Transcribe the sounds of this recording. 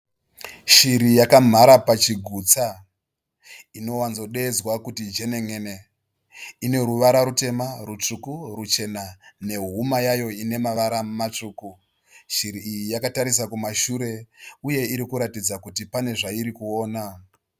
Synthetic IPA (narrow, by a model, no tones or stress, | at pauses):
ʃiɾijakam̤aɾapat͡ʃiɡʱut͡sa | ino̞wanzo̞ɗe̞d͡zwakutid͡ʒe̞ne̞ŋe̞ne | ine̞ɾuʋaɾaɾute̞marut͡ʂukurut͡ʃe̞nane̞ɦumajajo̞ine̞maʋaɾamat͡ʂuːku | ʃiɾiːjijakataɾisakumaʃuɾe̞uje̞iɾikuɾatid͡zakutipane̞ʐaiɾikuo̞ːna